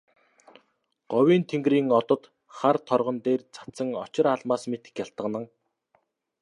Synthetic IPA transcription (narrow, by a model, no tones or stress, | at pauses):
ɢ̥ɔwiːnt̪ʰeŋɡriːŋɔt̪ɞ̆t̪ | χart̪ʰɔrʁɞ̆nt̪eːrt͡sʰḁt͡sə̆ŋɔt͡ɕɪ̆ɾaɮmaːsmet̪ɘ̥̆xkjaɬt̪ə̆qnə̆ŋ